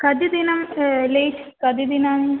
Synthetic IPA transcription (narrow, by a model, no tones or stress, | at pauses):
kɐd̪jid̪inɐmlejʈʰkɐd̪jid̪inaːn